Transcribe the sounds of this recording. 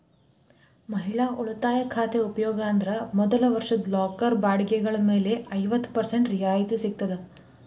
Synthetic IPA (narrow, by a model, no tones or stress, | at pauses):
mɐɦiɭaːʔuɭɐt̪aːjɐkʰaːt̪eupɐjɔːɡaːnd̪ɾɐmɔd̪ɐlɐʋɐɾʂɐd̪laːkɐɾbaːɽiɡɛɡɐɭɐme̞ːle̞ɐjʋɐt̪ːpɐɾseɳʈɾijaːjit̪isik̚t̪ɐd̪e